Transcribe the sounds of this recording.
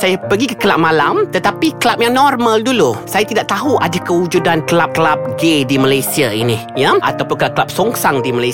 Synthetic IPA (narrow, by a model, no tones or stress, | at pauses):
sajapəɡikə̥kəlap̚malamt̪ət̪apikəlap̚jaŋnɔrmaldulusajat̪idaʔt̪aɦuʔadakəud͡ʒudankəlap̚kəlap̚ɡedimalajsiainijaʔa̰t̪awpʊnkəlap̚kəlap̚soŋsaŋdimalaj